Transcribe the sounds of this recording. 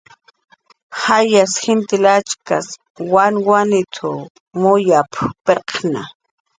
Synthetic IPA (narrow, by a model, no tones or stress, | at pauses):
xajasxɪnt̪ɪlat͡ʃkas | wanwanɪt̪ʰʊ | mʊjappeqna̰